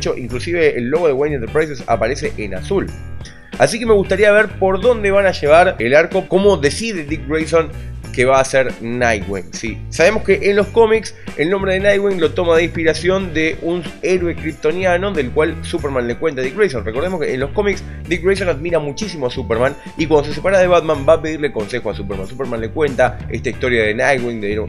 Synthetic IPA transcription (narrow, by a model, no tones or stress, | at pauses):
t͡ʃoʔiŋklusiβeːlːo̞ɣoðewejnẽnt̪eɾpɾajs̬esa̰paɾeseʔena̰sul | asike̞me̞ɣust̪aɾiaβeɾpo̞ɾðo̞nd̪e̞βanaʒe̞β̞aɾelaɾko̞ko̞mo̞ðesiðed̪ik̚rejsõnkeβaːseɾnajwḭŋsisaβe̞mo̞skeʔenlo̞hko̞miks | elnõ̞mbɾe̞ðenajɣwiŋlo̞t̪o̞maðeinpiɾasjo̞nd̪eʔuneɾwe̞kɾip̚t̪o̞njano̞ðe̞lkwalsupeɾmãnle̞kwe̞nt̪aðikrejsonreko̞ɾðemokeːnlo̞hko̞miks | d̪ikrejs̬onaðmiɾamut͡ʃis̬imoasupeɾmãn | ikwand̪oses̬e̞paɾaðe̞βad̪mãmbaːpe̞ðiɾleko̞nse̞xoasupeɾmãnsupeɾmãnle̞kwe̞nt̪aest̪aist̪o̞ɾjaðenajɣwiŋd̪e